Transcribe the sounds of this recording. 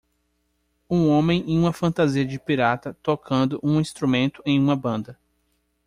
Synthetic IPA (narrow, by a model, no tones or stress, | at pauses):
ũõmẽj̃ẽj̃ũmɐfɐ̃nt̪aziɐd͡ʒɪpiɾat̪ɐt̪okʰɐ̃nd̪ʊʔũĩst̪ɾumẽnt̪ʊẽj̃ũmɐbɐ̃nd̪ɐ